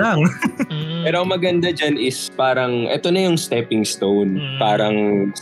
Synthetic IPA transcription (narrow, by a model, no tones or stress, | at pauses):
laŋ | pɛːɾoɐŋmɐɡɐnd̪ad͡ʒanɪspaːɾɐŋʔɛ̰t̪o̞nɐjʊŋst̪ɛpɪŋst̪ownpaːɾɐŋ